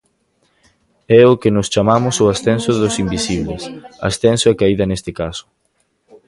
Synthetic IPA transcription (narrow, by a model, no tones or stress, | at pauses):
ɛʊkɪnʊst͡ʃamamʊsʊasθɛnsʊðʊsimbisiβlesa̰sθɛnsoɛkaiðɐnest̪ɪkasʊ̥